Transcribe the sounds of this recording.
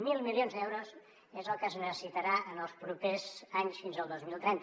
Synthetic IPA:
milˠmilˠionzðɛwɾos | ezəlˠkəznəsəsit̪əɾaʔənəlˠspɾupezaɲsfinzəlˠd̪ozmilˠt̪ɾɛnt̪

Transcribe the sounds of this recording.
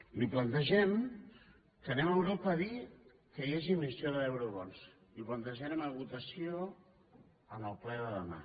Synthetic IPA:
liplənt̪əʒɛm | k̪ənɛməmɡɾupəði | kəjeʒimisioðəɛwɾuβɔns | liplənt̪əʒɛməməβut̪əsio | ənəlˠplɛðəðəma̰

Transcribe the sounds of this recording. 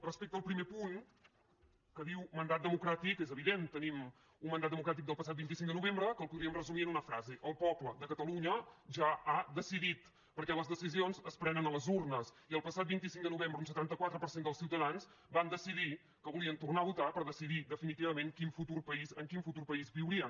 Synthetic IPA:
rəspek̚t̪əlˠpɾimepuŋ | kəðiwmənd̪at̪̚d̪əmukɾat̪ikezəβiðent̪ənim | unmənd̪at̪əmukɾat̪̬ik̚d̪əlˠpəs̬at̪̚bint̪isiŋd̪ənuβembɾəkəlˠpuðɾiəmrəzumiənunəfɾazeʔəlˠpɔpləðəkət̪əluɲəʒaad̪əsiðit̪ | pəɾkɛləzðəsizionzəspɾɛnənələzurnəs | iəlˠpəsat̪̚bint̪isiŋd̪ənuβembɾəunsət̪ant̪əkwat̪ɾəpəɾsend̪əlˠsiwt̪əðanz | band̪əsiði | kəβuliənt̪urnaβut̪apəɾðəsiðid̪əfinit̪iβəmeŋkinfut̪urpəizəŋkinfut̪urpəizβiwɾiə

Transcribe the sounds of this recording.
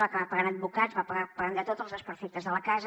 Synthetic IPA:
akəɣapɐɣaɾəd̪̚βukadzβapəɣapəɣand̪ət̪ot̪əlˠzðəspəɾfet̪əzðələkaz

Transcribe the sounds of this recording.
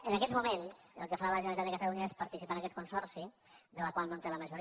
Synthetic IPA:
ənəkɛzmumensə̰lˠkəfaɾaβələʒənəlit̪at̪ðəkət̪əluɲəespəɾt̪isipaənəkɛt̪kunsɔɾsi | ðələkwalˠnont̪eləməʒuɾ

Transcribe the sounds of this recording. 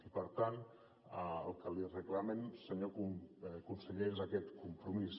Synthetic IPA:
ipəɾt̪an | ə̰lˠkəlirəklamensəɲokukunsəʎezakɛt̪kumpɾumis

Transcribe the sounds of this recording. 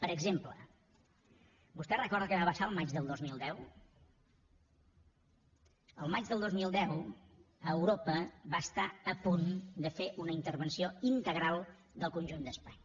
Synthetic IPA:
pəɾəɡzemplə | bust̪ɛrəkɔɾðəkəβaβəʃaəlˠmad͡ʒðəlˠd̪ozmilˠd̪ɛw | əlˠmad͡ʒðəlˠd̪ozmilˠd̪ɛw | əwɾopəβast̪aəpund̪əfeʔunəint̪əɾβənsioint̪əɣɾalˠ | d̪əlˠkunʒund̪əspaɲ

